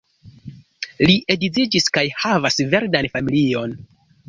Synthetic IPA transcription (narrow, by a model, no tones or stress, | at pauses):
liʔe̞dizid͡ʒiskajhavasve̞ɾdanfamilio̞n